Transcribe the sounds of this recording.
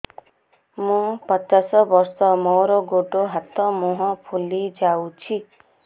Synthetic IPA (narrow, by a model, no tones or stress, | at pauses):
mũpɔt͡ʃasɔbɔɾsɔmoɾɔɡoʈoɦat̪ɔmoɦɔ̃pʰulid͡ʒawt͡ʃʰi